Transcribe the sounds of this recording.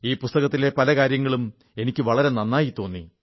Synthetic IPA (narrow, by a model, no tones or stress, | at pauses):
iːpust̪ɐɣɐt̪ːile̞pɐlɐkaːɾjɐŋːɐɭum | e̞nikʲːɨʋɐɭɐɾe̞nɐnːaːjit̪ːo̞ːnːḭ